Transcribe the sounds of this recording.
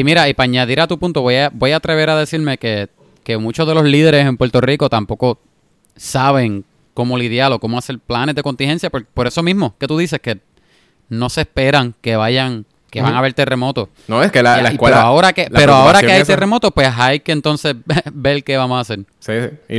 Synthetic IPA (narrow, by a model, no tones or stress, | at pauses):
imiɾaipaaɲaðiɾat̪upunt̪oβojabo̞jaːt̪ɾe̞βe̞ɾaðe̞siɾme̞ke̞ | ke̞mũt͡ʃoðe̞lo̞sliðe̞ɾe̞se̞mpweɾt̪o̞riko̞t̪ampo̞ko̞ | saβe̞ŋ | ko̞mo̞liðjalo̞ko̞mo̞ase̞ɾplanezðe̞ko̞nt̪iŋhe̞nsjapoɾpo̞ɾe̞so̞mizmo̞ke̞t̪uðise̞ske | no̞se̞spe̞ɾaŋke̞βaʝaŋ | keβaŋaβe̞ɾt̪e̞re̞mo̞t̪o̞ | noeskelalaikweɾoaoɾakepeɾooaoɾakeajt̪eɾre̞mo̞t̪opwe̞ɦajkeːnt̪o̞nse̞sbe̞lke̞βamosase̞ɾsi